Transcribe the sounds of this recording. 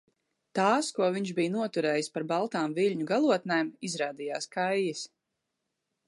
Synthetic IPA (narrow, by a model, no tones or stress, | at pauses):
t̪aːskuɔviɲʃbijnuɔt̪uɾɛːjispaɾbalˠt̪aːmviʎʲɲuɡalˠuɔt̪najmizɾaːd̪ija̰ːskajːis